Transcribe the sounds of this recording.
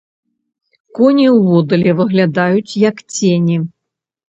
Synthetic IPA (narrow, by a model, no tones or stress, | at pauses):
kɔnʲiwvɔd̪ɐlʲɛvɨɣlʲad̪ajut͡sʲjɐkt͡sʲenʲi